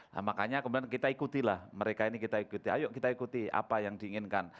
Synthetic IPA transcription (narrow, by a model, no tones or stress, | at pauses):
la̰makaɲakəbudankit̪aikut̪ilahməɾekainikit̪aikut̪ia̰jʊʔkit̪aikut̪ia̰pajaŋdiːŋɪnkan